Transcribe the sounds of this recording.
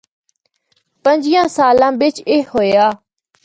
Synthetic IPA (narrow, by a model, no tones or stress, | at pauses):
pəɲd͡ʒɪjãːsaːlãːbɪt͡ʃeːɦoːjaː